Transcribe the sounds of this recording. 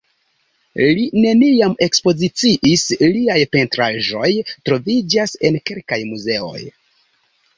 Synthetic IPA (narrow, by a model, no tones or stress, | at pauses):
line̞niame̞kspo̞zit͡siʔisliajpe̞ntɾaʒo̞jtɾo̞vid͡ʒase̞nke̞lkajmuze̞o̞̰j